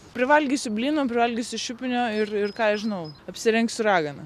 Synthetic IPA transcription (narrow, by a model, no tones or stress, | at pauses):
pʲɾʲɪʋɐlʲɡʲisʲʊbʲlʲiːnoːpʲɾʲɪʋɐlʲɡʲisʲʊʃʲʊpʲɪnʲoːɪrɪrkɑːɛʒʲɪnɐʊɐpʲsʲɪɾʲɛŋksʲʊɾɑːɡɐnɐ